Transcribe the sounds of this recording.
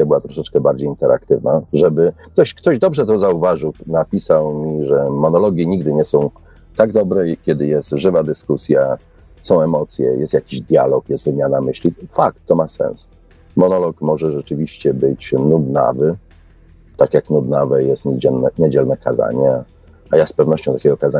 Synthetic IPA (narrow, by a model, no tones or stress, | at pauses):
abɘwat̪ɾɔʂɛt͡ʂkɛbaɾd͡ʑejint̪ɛɾʔa̰kt̪ɘvnaʐɛbɘk̚t̪ɔɕkt̪ɔʑd̪ɔbʐɛt̪̬ɔzauvaʐɘwnapʲisawmʲiʐɛmɔnɔlɔɡʲjiɲiɡd̪ɘɲɛsɔ̃w̃ | t̪aɡd̪ɔbɾɛkʲɛd̪ɘjɛst̪ʐɘvad̪ɘskusʲja | sɔ̃w̃ɛmɔt̪sʲjɛ̰jʔɛst̪jakʲiʑd̪ʲja̰lɔkjɛst̪vɘmʲjanamɘɕlʲifak̚t̪ːɔmasɛ̰ns | mɔnɔlɔkmɔʐɛʐɛt͡ʂɘvʲiɕt͡ɕɛbɘt͡ɕnud̪na̰vɘ | t̪akʲjaknud̪navɛjɛst̪ɲɛnɛɲed͡ʑɛlnɛkaza̰ɲɛ | ajaspɛvnɔɕt͡ɕɔ̃w̃t̪akʲɛɡɔkaza